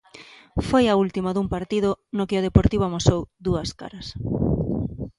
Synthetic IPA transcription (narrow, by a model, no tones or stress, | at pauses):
fojault̪imaðuŋpaɾt̪iðʊnokɪoðepoɾt̪iβomosowd̪uɐska̰ɾɐs